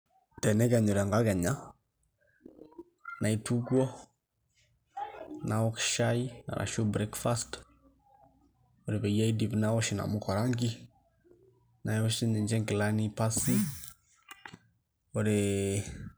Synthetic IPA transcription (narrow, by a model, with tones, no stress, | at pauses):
tɛ˨nɛ˦kɛ˨ɲo˨ɾa˨ŋɡa˦kɛ˨ɲa˦ | na˨i˦tu˦kwɔ˦ | na˨ɔ˦kʃaina̰˨ɾʔa̰˨ʃo˦bɾɛ˦kfast | oɾe˨βɛ˨ja˦idi˨pnaɔ˦ʃi˨na̰mo˦kɔ˨ɾa˦ŋɡi˦ | na˨˦o˦ʃi˦ne˨ɲd͡ʒɛ˦ŋki˨la˦nipasi˦ | o˨ɾe